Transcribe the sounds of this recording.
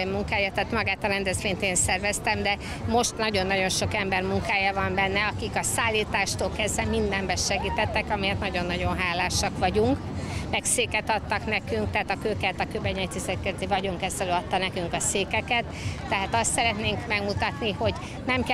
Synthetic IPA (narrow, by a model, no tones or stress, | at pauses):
muŋkaːjɑt̪aːt̪mɒɡaːt̪ɒɾɛnd̪ɛzʋeːɲt̪eːnsɛrvɛst̪ɛmd̪ɛ | mo̞ʃt̪nɒɟo̞nːɒɟo̞nʃo̞kɛmbɛrmuŋkaːjɒvɒmbɛnːɛɒkikɒsaːlːiːt̪aːʃt̪oːlkɛzvɛmind̪ɛmbɛʃɛɡiːt̪ɛt̪ːɛkɒmijɛt̪nɒɟo̞nːɒɟo̞nɦaːlaːʃɒkʋɒɟuŋk | mɛkseːkɛt̪ɒt̪ːɒknɛkyŋkt̪ɛaːt̪ɒkøːkɛːt̪ɒkøbɛɲɛt̪isɛk̪kɛzt̪ivɒɟuŋkɛzɛløɒt̪ːɒnɛkyŋkɒseːkɛkɛt̪ː | ɛɦaːt̪ɒst̪sɛɾɛt̪neːŋkmɛɡmut̪ɒt̪niho̞ɟ | nɛmk